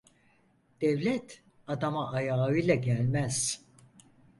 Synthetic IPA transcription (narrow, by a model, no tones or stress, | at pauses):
d̪̥ɛvlʲɛt̪ʰ | ad̪amaʔːjaːɯjlˠaɟælʲmæz̥